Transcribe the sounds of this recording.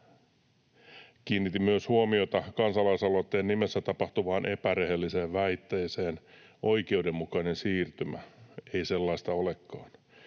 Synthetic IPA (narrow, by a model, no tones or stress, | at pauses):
kiːnːit̪imyøshuomiot̪ɑkɑnsɑlɑisɑlot̪ːeːnnimesːæt̪ɑpɑht̪uʋɑːnʔepærehelːiseːʋʋæit̪ːeiseːn | ʔoikeudemːukɑinensiːrt̪ymæ̰eiselːɑist̪ɑolekːɑːn